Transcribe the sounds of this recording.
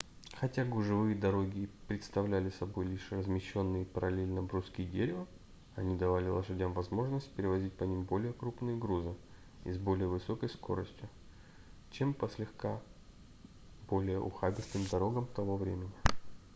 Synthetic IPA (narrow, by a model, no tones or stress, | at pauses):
xɐtʲaɡʊʐɨvɨjəd̪ɐɾo̞ɡʲɪpɾʲɪt̪st̪ɐvlʲælʲɪsɐbo̞jlʲiʂrəzmʲɪɕːo̞nːɨjəpəɾɐlʲelʲnəbɾuskʲijdʲeɾʲɪvə | ɐnʲid̪ɐvalʲɪlˠəʂɐdʲamvɐzmo̞ʐnəsʲt̚ʲpʲɪɾʲɪvɐzʲit̚ʲpɐnʲimbo̞lʲɪjəkɾupnɨjəɡɾuzɨ | ḭzbo̞lʲɪjəvɨso̞kəjsko̞̰ɾəsʲtʲjʊ | t͡ɕe̞mpəsʲlʲɪxka | b̥o̞lʲɪjəʔʊ̰xabʲɪst̪ɨmd̪ɐɾo̞ɡəmt̪ɐvo̞vɾʲemʲɪnʲɪ